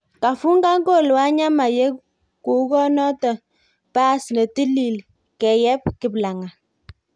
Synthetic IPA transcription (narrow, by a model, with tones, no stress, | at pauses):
ka˨fu˦ŋɡa˦ŋɡo˦˨lwa˦ɲa˦ma˨je˦ | ku˨˦ɡɔ˦nɔ˦tə˨ | pa˦snə˨ti˦li˨l | kɛ˨jɛ˦p̚kɪ˨bla˨ŋa˨